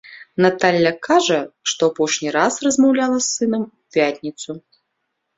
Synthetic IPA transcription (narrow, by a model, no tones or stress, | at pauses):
nat̪alʲːɐkʰaʐɐʂt̪ɔapɔʂnʲiɾasrɐzmɐwlʲalˠɐsːɨnɐmupʲat̪ʲnʲit̪su